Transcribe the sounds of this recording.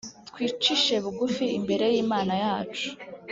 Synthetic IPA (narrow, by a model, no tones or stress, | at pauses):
t̪kwiːt͡ʃiʃe̞βuɡufiimbe̞ɾe̞jiːmaːnajaːt͡ʃu̥